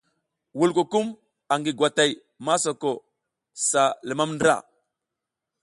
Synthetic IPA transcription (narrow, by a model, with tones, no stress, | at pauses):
wu˦˨lko˨ku˦m | a˨ŋɡi˨ɡwa˨ta˨j | ma˦so˨ko˨ | sa˨lə˨ma˦mndɾa̰˨